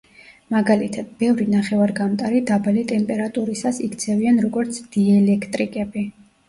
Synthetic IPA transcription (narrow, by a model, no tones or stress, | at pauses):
maɡalit̪ʰad̪̥̚bɛvɾinaχɛvaɾɡamt̪ʼaɾid̪abalit̪ʼɛmpʼɛɾat̪ʼuɾisasikʰt̪sʰɛvianɾɔɡɔɾt̪sʰd̪̥iɛlɛkʰt̪ʼɾikʼɛbi